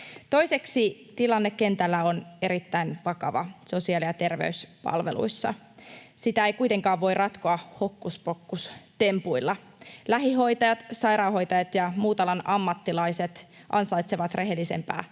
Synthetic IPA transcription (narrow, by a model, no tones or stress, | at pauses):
t̪o̞ise̞ksit̪ilɑnːekːe̞nt̪ælːæone̞ɾit̪ːæinʋɑkɑ̰ʋɑ̰so̞siɑlijɑt̪e̞rʋḛyspɑ̰lʋḛlṵisːɑ̰ | sit̪æeikuit̪e̞ŋkɑːʋʋo̞irɑt̪koɑho̞kːuspo̞kːust̪e̞mpuilːɑ | læɦiɦo̞jt̪ɑjɑt̪sɑjɾɑːho̞jt̪ɑjɑt̪jɑmuːt̪ɑlɑnɑmːɑt̪ːilɑise̞t̪ | ʔɑnsɑjt̪seʋɑt̪re̞ɦe̞lːise̞̰mpæ̰ː